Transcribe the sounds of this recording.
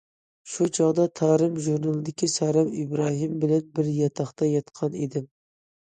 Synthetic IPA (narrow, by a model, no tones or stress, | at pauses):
ʃut͡ʃʰɑʁd̪ɑt̪ʰɑːɾɨmʒuɾnɑlˠɨd̪ɪkʲʰisɑɾɛmɪbɾɑɦimbɪlɛnbɪɾjɑt̪ʰɑχt̪ɑjɑt̪qʰɑnid̪ɪm